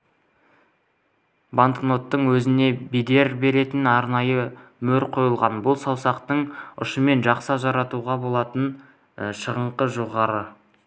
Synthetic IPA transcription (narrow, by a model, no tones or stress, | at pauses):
baŋk̪kno̞t̪ːəɴwɵzɪne̞bijd̪e̞ɾbe̞ɾe̞t̪ɪnɑɾnɑjəmɵɾqʰo̞jəlˠʁɑnbʊlˠsɑwsɑqt̪əɴʊ̰ʃəme̞nʒɑqsɑʒɑɾɑt̪uʁɑbo̞lˠɑt̪ən | ʃəʁəɴqəʒo̞ʁɑɾə